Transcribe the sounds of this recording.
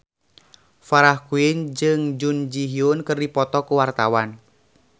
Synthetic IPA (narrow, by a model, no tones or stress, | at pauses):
faɾahkuind͡ʒɨŋd͡ʒund͡ʒiɦiunkɨrdipɔt̪ɔkuwart̪awan